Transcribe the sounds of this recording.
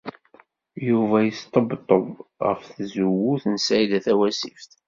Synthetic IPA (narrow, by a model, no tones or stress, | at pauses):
juvæjəst̪ˤəbt̪ˤːə̰ðʁə̰fθzuwːuθnsæid̪æθæwæsifθ